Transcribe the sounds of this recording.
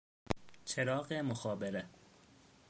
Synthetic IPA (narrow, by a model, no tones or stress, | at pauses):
t͡ʃʰeɾɒːɢemoxɒːbeɾe